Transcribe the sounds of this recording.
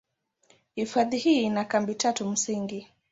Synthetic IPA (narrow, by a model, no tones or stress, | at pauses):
hifaðihiːinakambitatum̩siŋɡi